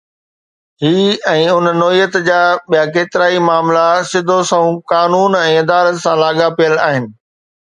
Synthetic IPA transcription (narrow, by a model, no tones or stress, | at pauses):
ɦiːɛ̃ːʊnnɔːijət̪d͡ʑaːɓijakeːt̪ɪɾaːimaːmlasɪd̪ʱosɐ̃ũkaːnuːnɛ̃ːɪd̪aːɾət̪sãlaːɠapijəlaːɦɪnɪ̆